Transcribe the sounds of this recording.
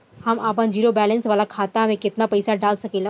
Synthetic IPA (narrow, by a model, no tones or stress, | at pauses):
hɐmaːp̬ənd͡ʒiːɾobɛːlə̃nsʋaːlakʰaːt̪amẽkɪt̪napɐɪsaɖaːlsɐkeːla